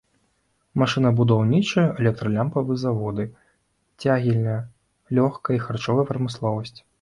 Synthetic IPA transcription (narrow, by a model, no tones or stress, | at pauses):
maʂɨnɐbud̪awnʲit͡ʂɐjɐʔɛlʲɛk̚t̪ɾɐlʲampɐvɨzavɔd̪ɨ | t͡sʲaɣʲilʲnɐjɐ | lʲɔxkɐjixart͡ʂɔvɐjɐpɾɐmɨslˠɔvɐsʲt͡sʲ